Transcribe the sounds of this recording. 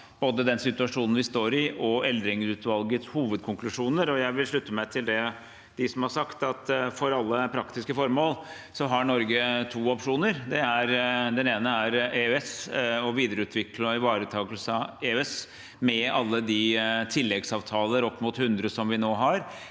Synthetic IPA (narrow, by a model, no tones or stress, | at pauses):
b̥oːd̪əd̪ɛnsɪt̪ʉɑʂuːnən̩ʋɪst̪oːɾɪʔɔɛld̪ɾɪŋsʉːt̪ʋɑlɡət̪shuːʋəd̪̚kʰʊŋklʉʂuːnəɾɔjæɪʋɪlʂɭʉt̪ːəmæɪt̪ʰɪld̪ɛ | d̪̥ɪsɔmhɑɾʂɑkt̪ɑt̪fɔɾɑlːəpʰɾɑkt̪ɪskəfɔɾmoːl | sɔɦɑɳɔɾɡət̪ʰuːɔpʂuːnəɾd̪ɛæɾd̪ɛneːnəæɾeɛsɔʋiːd̪əɾəʉːt̪ʰʋɪkləɪʋɑːɾət̪ʰɑːɡəlsəɑeːɛs | mɛɑlːəd̪ɪt̪ʰɪlːɛɡsɑːʋt̪ʰɑːlˠəɾɔpːmuːt̪hʉnd̪ɾəsɔmʋɪnoːɦɑɾ